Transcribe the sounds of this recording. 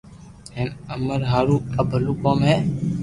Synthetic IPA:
ɦeːnəməɾɦaːɾuːəbʱəluːkoːmɦɛː

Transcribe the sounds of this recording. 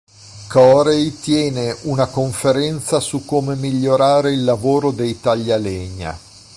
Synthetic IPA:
kɔɾejt̪jɛːneʔunakoɱfeɾɛnt̪sasukːomemiʎːoɾaːɾeilːavoːɾod̪ejt̪aʎːaleɲːa̰

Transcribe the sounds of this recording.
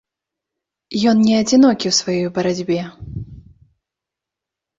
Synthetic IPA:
jɔnnʲɛɐd͡zʲinɔkʲiwsvajɔjbɐɾad͡zʲbʲɛ

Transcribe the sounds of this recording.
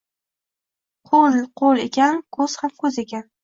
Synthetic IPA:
qʰolqʰolˠekʲankʰɵz̥hamkʰɵze̞kʲan

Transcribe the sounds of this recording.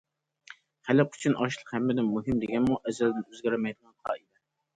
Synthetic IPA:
χælɪqʰy̥t͡ʃʰynʔɑʃlˠəqhɛmːɪd̪ɪnmːuɦɪmd̪eɡʲɛnmuʔɛzɛld̪ɪnøzɡʲæɾɪmɛjd̪ɨʁɑnχɑ̰id̪ɪ

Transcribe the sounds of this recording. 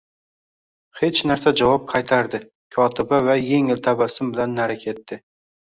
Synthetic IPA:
he̞t͡ʃnaɾsad͡ʒavɒp̚qʰɑjt̪ʰaɾd̪ɪ | kʲʰɒt̪ʰɪbavaje̞ŋɪlt̪ʰabasɪmbɪlanːaɾakʲʰe̞t̪ːɪ

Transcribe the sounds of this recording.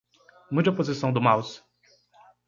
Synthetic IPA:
mud͡ʒɐpozisɐ̃w̃d̪ʊmaws

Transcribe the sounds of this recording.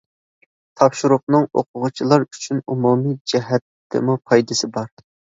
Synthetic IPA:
t̪ʰɑpʃuɾʊq̚nɨŋo̰qʰʊʁʊt͡ʃʰilˠɑɾyt͡ʃʰynumumid͡ʒɛɦɛt̪ː | ɪ̰mupʰɑjd̪ɪsɪbɑɾ

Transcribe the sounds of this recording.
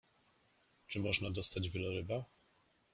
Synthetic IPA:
t͡ʂɘmɔʐnad̪ɔst̪ad͡ʑvʲɛlɔɾɘba

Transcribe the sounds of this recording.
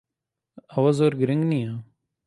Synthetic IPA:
ɐʋazoːɾɡɾɪŋɡnĩːãː

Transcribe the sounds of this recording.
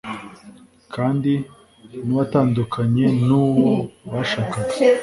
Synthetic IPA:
kaːndi | niwataːndukʰaɲe̞nuːwowaʃaka

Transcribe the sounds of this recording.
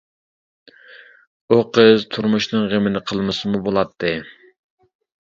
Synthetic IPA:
uqʰəzt̪ʰuɾmuʃnɨŋʁemɪnɪqʰəlˠmɨsɨmubolˠɑt̪ʰːɨ

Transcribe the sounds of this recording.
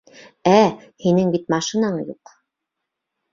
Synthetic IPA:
æ | hinɘŋbit̪mɑʃɤnɑɴjṵq

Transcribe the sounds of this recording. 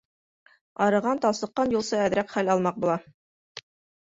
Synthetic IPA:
ɑɾɤ̆ʁɑnt̪ɑlˠsˠɤ̆qːɑnjulˠsɤæðɾækχælɑlˠmɑq̚bulˠɑ

